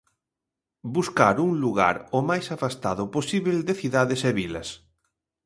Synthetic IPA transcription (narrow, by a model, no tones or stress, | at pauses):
buskaɾuŋluɣa̰ɾomajsafast̪aðʊposiβeld̪eθiðaðeseβilɐ̰s